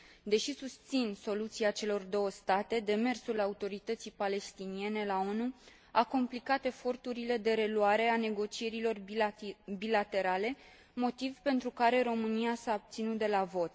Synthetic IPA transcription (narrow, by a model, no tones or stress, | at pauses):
d̪e̞ʃisust̪sinso̞lut̪siat͡ʃe̞lo̞rd̪o̞wəst̪at̪e̞d̪e̞me̞rsulaut̪o̞ɾit̪ət̪sijpale̞st̪inie̞ne̞lao̞nu | ako̞mplikat̪e̞fo̞rt̪uɾile̞d̪e̞ɾe̞luaɾe̞ane̞ɡo̞t͡ʃie̞ɾilo̞r | bilat̪e̞ɾale̞ | mo̞t̪ivpe̞nt̪ɾukaɾe̞ɾo̞mɨniasaob̚t̪sinut̪̚d̪e̞lavo̞t̪̚